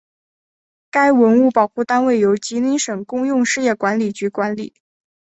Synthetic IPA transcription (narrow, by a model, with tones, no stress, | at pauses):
ka˥ɪwə˧˥nu˥˩pɑ˨˩ʊxu˥˩t̪a˥nwe˥˩ɪjo˧˥ʊt͡ɕi˧˥ni˧˥ʂɤ˨˩ŋkʊ˥ŋjʊ˥˧ŋʂɻ̩˥˧jɛ˥˩kwa˧˥nli˨˩t͡ɕy˧˥kwa˧˥nlḭ˨˩˦